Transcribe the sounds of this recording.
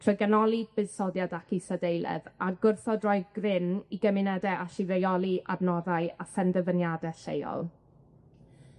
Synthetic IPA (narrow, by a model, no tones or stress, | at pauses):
tʰrɔɡanɔlˠɨd̚bɨðsɔdjadakʰisadejlˠɛ̰ðaɡʊrθɔdrɔjɡrɪniɡəmɪnɛdɛʔaʃɪvejɔlˠiʔa̰bnɔðajafɛndəvənjadɛɬejɔ̰lˠ